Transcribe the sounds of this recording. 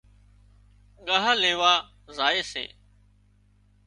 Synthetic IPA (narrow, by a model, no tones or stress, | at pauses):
ɠaɦəleːʋaː | zaːeːsḛː